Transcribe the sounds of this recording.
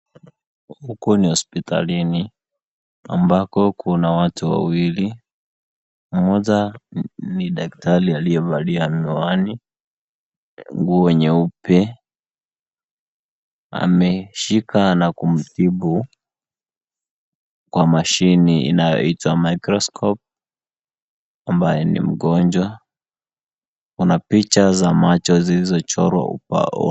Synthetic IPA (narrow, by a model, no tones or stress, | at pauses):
hukunihɔspita̰lini | a̰mbakɔkunawatuwa̰wili | m̩mɔza | niɗak̚talialijɛɓaliamiwani | ŋɡuɔwɛɲɛupɛ | a̰mɛʃikʰanakum̩tiɓu | kwamaʃiniḭnajɔ̰itwamaikɾɔskʰɔp̚ | ambajɛnḭm̩ɡɔnd͡ʒwa | kunapit͡ʃazamat͡ʃɔzilizɔt͡ʃɔɾwa̰ṵpa̰ɔ̰